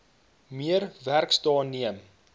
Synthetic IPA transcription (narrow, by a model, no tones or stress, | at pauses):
miəɾværkstɑːniəm